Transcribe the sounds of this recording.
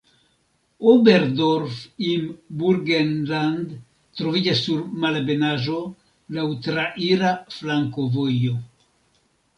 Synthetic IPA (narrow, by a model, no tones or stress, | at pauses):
obeɾdoɾfimbuɾɡenland | tɾo̞vid͡ʒasːuɾmalbe̞naʒo̞ | lawtɾaʔiɾaflaŋko̞vo̞jo̞